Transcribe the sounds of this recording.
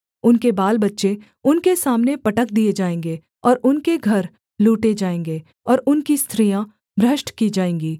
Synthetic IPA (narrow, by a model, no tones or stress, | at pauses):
ʊnkebaːlbɐtːʃe | ʊnkesaːmnepɐʈəkd̪ied͡ʒaːẽːŋɡe | ɔːɾʊnkeɡʱɐɾ | luːʈed͡ʒaːẽːŋɡeː | ɔːɾʊnkist̪ʰɾijã | bɾəʃʈkid͡ʒaːẽːŋɡiː